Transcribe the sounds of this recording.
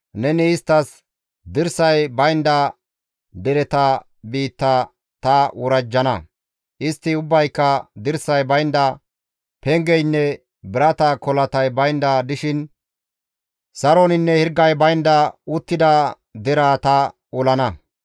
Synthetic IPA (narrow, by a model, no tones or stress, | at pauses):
nɛnɪːst̪ːɐs | d̪ɪɾsɐjbɐjnd̪ɐ | d̪ɛɾɛt̪ɐ | biːt̪ːɐ | t̪ɐwɔɾɐd͡ʒːɐnɐ | ʔɪst̪ːɪʊbːɐjkːɐd̪ɪɾsɐjbɐjnd̪ɐ | pɛŋɡɛjnːɛ | bɪɾɐt̪ɐkɔlɐt̪ɐjbɐjnd̪ɐd̪ɪʃɪn | sɐɾonɪnːɛhɪɾɡːɐjbɐjnd̪ɐʊt̪ːɪd̪ɐ | d̪ɪɾaːt̪ɐ | ɔlɐnɐ